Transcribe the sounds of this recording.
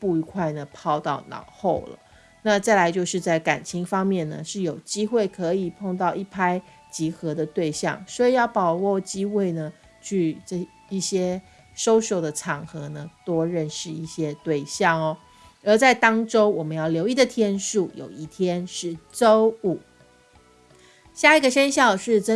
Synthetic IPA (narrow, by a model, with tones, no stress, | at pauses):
pu˥˩i˧˩kʰwa˥˩ɪnə˩pʰɑ˥ʊt̪ɑ˥˩ʊnɑ̰˨˩ʊxo˥˩ʊlə̰˩ | na˥˧t͡sa˥˩ɪla˧˥ɪt͡ɕjo˥˧ʊʂɻ̩˥˧t͡sa˥˩ɪka˨˩nt͡ɕʰi˧˥ŋfɑ˥ŋmjɛ˥˩nnə̰˩ʂɻ̩˥˩jo˨˩ʊt͡ɕi˥xwe˥˩ɪkʰɤ˧˦i˨˩pʰo˥˧ŋt̪ɑ˥˧ʊʔi˥˩pʰa˥ɪ | t͡ɕi˧˥xɤ˧˥d̪ə˧t̪we˥˧ɪɕjɑ̰˥˩ŋswɔ˧˥i˨˩jɑ˥˩ʊpɑ˨˩ʊwɔ˥˩t͡ɕi˥xwe˥˩ɪnə˩ | t͡ɕʰy˥˧ʈ͡ʂə˥˧ | i˥˩ɕjɛ˥ | ʂo˥ʊʂo˥˩ʊd̪ə˩ʈ͡ʂʰɑ˨˩ŋxɤ˧˥nə˧t̪wɔ˥ɻə˥˧nʂɻ̩˥˧i˥˩ɕjɛ˥t̪we˥˧ɪɕjɑ˥˩ŋɔ˩ | ə˧˥t͡sa˥˩ɪt̪ɑ˥ŋʈ͡ʂo˥ʊwɔ˨˩mə˦njɑ˥˩ʊljo˧˥ʊi˥˩d̪ə˩t̪ʰjɛ˥nʂu˥˩jo̰˨˩ʊi˥˩t̪ʰjɛ˥nʂɻ̩˥˩t͡so˥ʊu˨˩ | ɕja˥˩i˧˥ɡə˨ʂə˥nɕjɑ˥˧ʊʂɻ̩˥˩ʈ͡ʂə˥